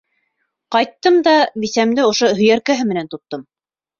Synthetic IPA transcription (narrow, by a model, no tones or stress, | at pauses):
qɑjt̪ːɤmd̪ɑbisæmd̪ɘŏʃoɦɵ̆jæɾkæɦɘmɘ̆nænt̪ŏt̪ːɤm